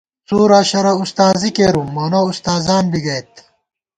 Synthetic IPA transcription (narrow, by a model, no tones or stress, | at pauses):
t͡suːɾaːɕɐɾɐust̪aːzikeːɾumːɐnoust̪aːzaːnbiɡɐjt̪